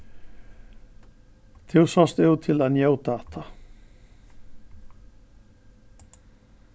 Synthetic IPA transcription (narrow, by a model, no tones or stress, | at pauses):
t̪ʰɪwsast̪ɛʏt̪ʰɪlaðnjoːwt̪aːt̪ʰa